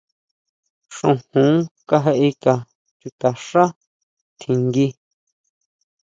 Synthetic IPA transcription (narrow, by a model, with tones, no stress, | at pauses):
ʂõ˧˨hũ˨˦ka˦ɦe˧ʔi˧ka˨ | t͡ʃu˧t̪a˨ʂa˦ | t̪ʰĩ˨ŋɡi˧